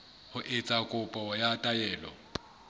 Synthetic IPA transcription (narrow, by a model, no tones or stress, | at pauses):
hʊʔɪt͡sʼakʼʊpʼɔjatʼajɛːlɔ̰